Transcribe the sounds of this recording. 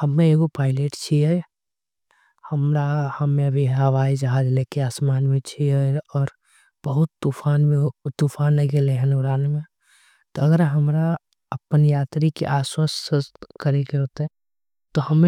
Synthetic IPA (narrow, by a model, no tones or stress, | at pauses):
həmːẽeɡopaːɪleʈt͡ʃʰiɛ | həmɾahəmẽəbʱiɦəʋaːid͡ʒəɦad͡ʒleːkeaːsmaːnmẽt͡ʃʰiɛɔːɾ | b̥əɦʊt̪ːufʰaːnmet̪ufʰaːnləɡeleɦənuɡɾaːnmẽ | t̪oɐɡəɾɦəmɾa | əpənjaːt̪ɾikḛʔaːswəskəɾekeɦoːt̪ɦɛ | t̪ohəme